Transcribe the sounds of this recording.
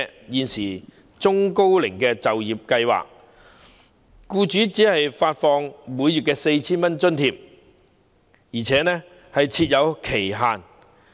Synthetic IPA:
jiː˨˧nsiː˨˩ | t͡sʊ˥ŋko˥wlɪ˨˩ŋkɛː˧t͡sɐ˨wjiː˨˩p̚kɐ˧jwa̰ː˨k̚ | kuː˧t͡ʃyː˨˥t͡siː˨˥hɐ˨jfaː˧t̚fɔː˧ŋmuː˨˧jːyː˨t̚kɛː˧se˧jt͡sʰiː˥nmɐ˥nt͡ʃɵ˥nt̪ʰiː˧p̚ | jiː˨˩t͡sʰɛː˨˥nɛː˥ | hɐ˨jt͡sʰiː˧t̚jɐ˨˧wkʰe˨˩jɦaː˨˩n

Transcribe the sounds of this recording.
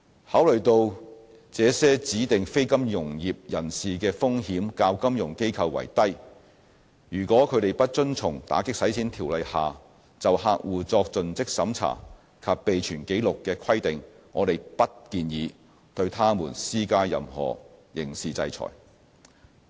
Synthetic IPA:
haː˨˥wlɵ˨˩ɥt̪o˧w | t͡sɛː˨˧sɛː˥t͡siː˨˥t̪ɪ˨ŋfe˥jkɐ˥mjʊ˨˩ŋjiː˨p̚jɐ˨˩nsiː˨kɛː˧fʊ˥ŋhiː˨˥mkaː˧wkɐ˥mjʊ˨˩ŋke˥jkʰɐ˧wːɐ̰˨˩jt̪ɐ˥j | jyː˨˩kʷɔː˨˥kʰɵ˨˧ɥt̪e˨jpɐ˥t̚t͡ʃɵ˥nt͡sʰʊ˨˩ŋt̪a̰ː˨˥kɪ˥k̚sɐ˨˥jt͡sʰiː˨˥nt̪ʰiː˨˩wlɐ˨jhaː˨ | t͡sɐ˨whaː˧k̚wuː˨˩t͡sɔː˧k̚t͡sɵ˨nt͡sɪ˥k̚sɐ˨˧˥mt͡sʰa̰ː˨˩ | kʰɐ˧p̚pe˨jt͡ʃʰyː˨˩nke˨˥jlʊ˨kːɛː˧kʰɐ˥jt̪ɪ˨ŋ | ŋɔː˨˧t̪e˨jpɐ˥t̚kiː˧njiː˨˧ | t̪ɵ˧ɥt̪ʰaː˥muː˨˩nsiː˥kaː˥jɐ̰˨mhɔ̰ː˨˩jɪ˨˩ŋsiː˨t͡sɐ˧jt͡sʰɔ̰ː˨˩j

